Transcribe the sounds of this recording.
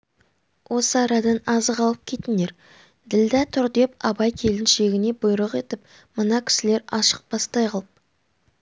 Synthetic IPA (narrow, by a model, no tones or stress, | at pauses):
wʔo̞səɑɾɑd̪ɑnɑzəqɑlˠəp̚kʲʰe̞t̪ɪne̞ɾ | d̪ɪld̪æt̪ʰʊɾd̪e̞pɑbɑjkʲʰe̞lɪnʃe̞ɡʲɪne̞bʊjɾəqe̞t̪ɪp | mənɑkʲʰɪ̥sɪle̞ɾɑʃə̥q̚b̥ɑst̪ɑjqʰɑlˠəp̚